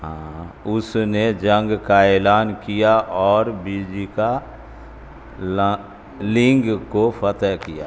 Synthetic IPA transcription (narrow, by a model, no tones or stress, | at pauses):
ɦãːʊsned͡ʒə̃ŋɡkaeːlaːnkijaʔɔːɾbiːd͡ʒika | lɪ̃ŋɡkopət̪əɦkija̰ː